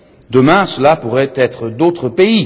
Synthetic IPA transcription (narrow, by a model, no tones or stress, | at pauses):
d̪əmɛ̃səlapuʁɛt̪ɛt̪χəd̪ot̪χəpei